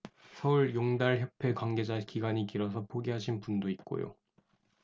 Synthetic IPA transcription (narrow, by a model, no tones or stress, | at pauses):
sʰʌuɭjoŋdaɭçjʌpʰe̞kwaŋɡe̞d͡ʑakiɡaɲikiɾʌsʰʌpʰoɡiɦaɕʰinpundoit̚k͈o̰jo̰